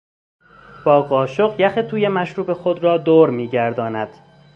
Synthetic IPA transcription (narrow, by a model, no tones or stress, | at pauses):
b̥ɒːɣɒːʃoɢjæxet̪ʰuːjemæʃɾuːbexod̪ɾɒːd̪oːɾmiːɟæɾd̪ɒːnæd̪̥